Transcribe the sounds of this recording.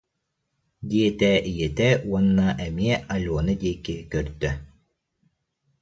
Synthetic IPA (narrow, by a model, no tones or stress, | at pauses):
d̪iɛt̪ɛːʔijɛt̪ɛuɔnːaʔɛmiɛʔaluɔnɯd̪iɛkːikœɾd̪œ